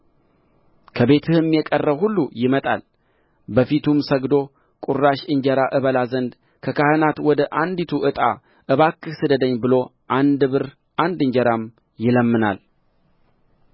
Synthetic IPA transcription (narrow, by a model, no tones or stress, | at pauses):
kʰəβe̞t̪ʰɨhɨmjɛkʼərːəβhulːujɪmət̪ʼa̰l | bəfit̪ʰumsəɡd̪o̞ | kʼuɾaʃɨɲd͡ʒɛɾaʔɨβəlazənd̪ | kʰəkʰahɨnat̪wɔd̪əʔand̪it̪ʰuʔɨt̪ʼa̰ | ʔɨβakʰʼːɨsɨd̪əd̪əɲːbɨlo̞ | ʔand̪ɨβɨɾ | ʔand̪ɨɲd͡ʒɛɾam | jɪləmːɨna̰l